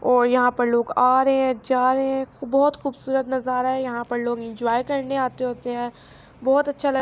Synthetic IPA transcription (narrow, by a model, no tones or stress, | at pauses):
ɔːɾjɐɦãpɐɾloːɡaːɾɐɦeɦɛ̃d͡ʒaːɾɐɦɦɛ̃bɔɦʊt̪xuːbsuːɾət̪nɐzaːɾaɦɛjɐɦãpɐɾloːɡɪ̃nd͡ʒʊaːjkɐɾneaːt̪eɦoːt̪eɦɛ̃ː | bɔːʊt̪ɐtːʃʰalɐ